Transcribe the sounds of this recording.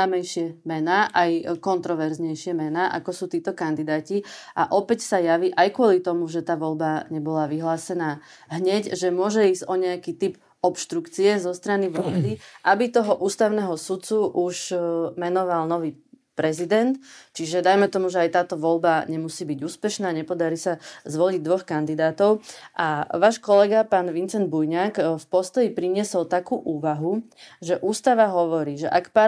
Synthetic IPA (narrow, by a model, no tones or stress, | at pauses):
amɛjʃɪɛmɛnaːʔajkɔnt̪ɾɔʋɛɾzɲɛjʃɪɛmɛnaːʔa̰kɔsuːt̪iːt̪ɔkand̪id̪aːcia̰ʔɔpɛcsajaʋiʔajkʊɔlit̪ɔmuʒɛt̪aːʋɔlbaɲɛbɔlaʋiɦlaːsɛnaː | ɦɲɛɟʒɛmʊɔʒɛiːzɟɔɲɛakiːt̪ip | ɔpʃt̪ɾukt͡siɛzɔst̪ɾaniʋlalːd̪iʔabit̪ɔɦɔʔuːst̪aʊnɛɦɔsut̪t͡suʔuʃmɛnɔʋalnɔʋiː | pɾɛzid̪ɛnt̪t͡ʃiʒɛd̪ajmɛt̪ɔmuʒɛajt̪aːt̪ɔʋɔlbaɲɛmusiːbiɟuːspɛʃnaːɲɛpɔd̪aɾiːsazʋɔliɟd̪ʋɔxkand̪id̪aːt̪ɔʊʔaʋaːʃkɔlɛɡapaːnʋint͡sɛnd̪̚bujɲaːkfpɔst̪ɔjipɾiɲɪɛsɔlt̪akuːʔuːʋaɦuʒɛʔuːst̪aʋaɦɔʋɔɾiːʒɛʔakpa